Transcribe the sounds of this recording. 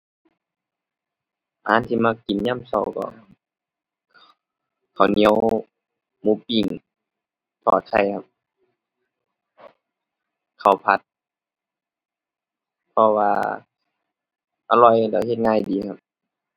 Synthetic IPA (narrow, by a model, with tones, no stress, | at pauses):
ʔaː˨˦nt̪ʰiː˧maː˧ki˨˩nɲaː˧˥˨msa̰˧˩wkɔ̰˧˩ | kʰa˨˩wni˧˦ə˦˧w | muː˧˦pi˧˩ŋ | t̪ʰɔː˧˩t̪̚kʰa˧˩jkʰa˧˩p̚ | kʰa˨˩wpʰa˧t̪̚ | pʰɔ˧waː˧ | ʔa˧lɔ˧˩jda˧˩he˧t̪̚ŋaː˧˩˨jdiː˨˦kʰa˧p̚